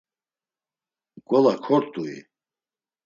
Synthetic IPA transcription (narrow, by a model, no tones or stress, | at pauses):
ɡʼɔlakʰɔɾt̪ʼuḭ